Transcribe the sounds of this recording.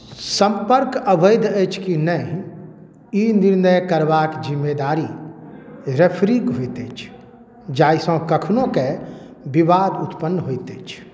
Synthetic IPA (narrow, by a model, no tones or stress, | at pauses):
sə̃mpəɾkəbəɪd̪ʱət͡ʃʰkinə̃ | iniɾnəjkəɾbakd͡ʒimːed̪aɾi | ɾepʰɾikɦojt̪et͡ʃʰ | d͡ʒaːisə̃kəkʰnõke | bibad̪ut̪pənːɦojt̪et͡ʃʰ